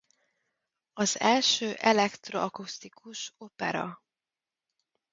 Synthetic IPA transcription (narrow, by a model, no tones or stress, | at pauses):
ɒzɛlʃøːʔɛlɛkt̪roɒkust̪ikuʃo̞pɛ̰ɾɒ̰